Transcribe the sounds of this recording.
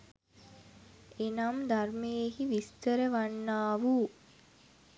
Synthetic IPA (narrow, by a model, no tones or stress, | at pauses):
enamd̪armejeɦiʋist̪əɾəʋanːaːʋu